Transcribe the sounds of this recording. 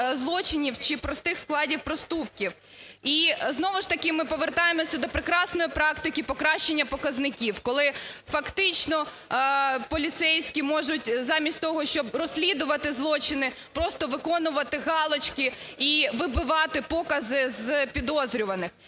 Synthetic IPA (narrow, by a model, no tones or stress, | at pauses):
zlˠɔt͡ʃɪnʲiwt͡ʃɪpɾɔst̪ɪxsklˠɑdʲiwpɾɔst̪up̚kʲiw | iznɔʋʊʃt̪ɐkɪmɪpɔʋert̪ɑjemɔsʲɐd̪ɔpɾɪkɾɑsnɔjipɾɑkt̪ɪkʲipɔkɾɑʃt͡ʃenʲːɐpɔkɐznɪkʲiwkɔlˠɪfɐkt̪ɪt͡ʃnɔ | pɔlʲit̪sɛjsʲkʲimɔʒʊtʲzɑmʲisʲt̚ʲt̪ɔɦɔʃt͡ʃɔbrɔsʲlʲid̪ʊʋɐt̪ɪzlˠɔt͡ʃɪnɪ | pɾɔst̪ɔʋɪkɔnʊʋɐt̪ɪɣɑlˠɔt͡ʃkɪiʋɪbɪʋɑt̪ɪpɔkɐzɪzpʲid̪ɔzɾʲʊʋɐnɪx